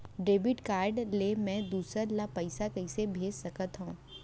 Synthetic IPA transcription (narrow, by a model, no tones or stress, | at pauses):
ɖeːbɪʈkaːɾɖlemɛ̃d̪uːsəɾlapɐɪsakɐɪsebʱeːd͡ʒsɐkət̪ɦõː